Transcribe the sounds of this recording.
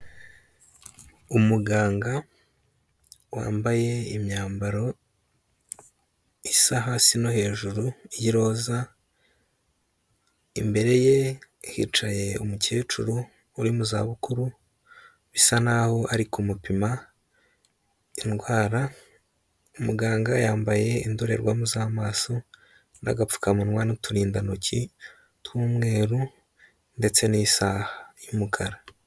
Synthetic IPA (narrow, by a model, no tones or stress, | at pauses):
umuɡaːŋɡa | wa̰ːmbaje̞imɲaːmbaɾo̞ | isaɦaːsino̞he̞ːʒuɾuijiɾo̞ːza | ḭmbe̞ɾe̞je̞hḭːt͡ʃaje̞ṵmuceːt͡ʃuɾuː | ɾimuza̰ːβukuɾu | βisanaho̞aɾikumupima | inɡwaːɾa | umuɡaːŋɡajaːmbaje̞indoɾe̞̰ɾɡwamuzamaːso | na̰ɡafu̥kamunŋwanutuɾiːndanocʰi | twuːmŋe̞ːɾu | nde̞t͡se̞nisahajumukʰaɾa